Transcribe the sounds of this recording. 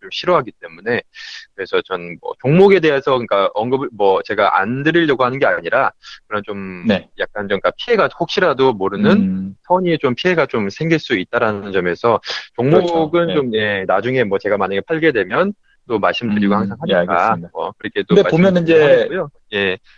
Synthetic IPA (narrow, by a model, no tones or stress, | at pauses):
t͡ɕomɕʰiɾʌɦaɡit͈e̞mune̞kɯɾe̞sʰʌt͡ɕʌnmwʌ̰t͡ɕoŋmoɡe̞de̞ɦe̞sʰʌkɯk͈aʔʌŋɡɯbmwʌt͡ɕe̞ɡaʔa̰ndɯɾiʎːʌɡohanɯnɡe̞aɲiɾakɯɾʌnt͡ɕomjak̚k͈ant͡ɕoŋk͈apʰie̞ɡaɸok̚ɕ͈ʰiɾadomoɾɯnɯnsʰʌɲit͡ɕompʰiɦe̞ɡat͡ɕomsʰe̞ŋɡiɭs͈uit̚t͈aɾanɯnd͡ʑʌme̞sʰʌt͡ɕoŋmoɡɯnt͡ɕomje̞nad͡ʑuŋe̞mwʌt͡ɕe̞ɡamaɲaɡe̞pʰaɭɡe̞dwe̞mjʌn | t͈omaɭs͈ɯmdɯɾiɡohaŋsʰaŋɦaɲika̰mʌ̰kɯɾʌkʰe̞t͈oemasomjʌnid͡ʑeɡojo | je̞